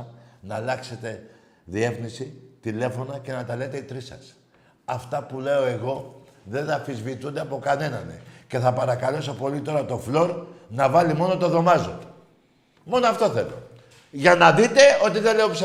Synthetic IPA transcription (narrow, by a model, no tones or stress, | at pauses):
nɐːlɐkse̞t̪e̞ | ðie̞fnisit̪ile̞fo̞nɐce̞nɐt̪ɐle̞t̪e̞it̪ɾisɐ̰s | ɐft̪ɐpule̞o̞e̞ɣo̞ðe̞nd̪ɐfizvit̪und̪eɐpo̞kɐne̞nɐnḛce̞θɐpɐɾɐkɐle̞sopo̞lit̪o̞ɾɐt̪o̞flo̞ɾnɐvɐlimo̞no̞t̪oðo̞mɐzo | mo̞noɐft̪o̞θe̞lo̞̰ | ʝɐnɐðit̪e̞o̞t̪iðe̞le̞ops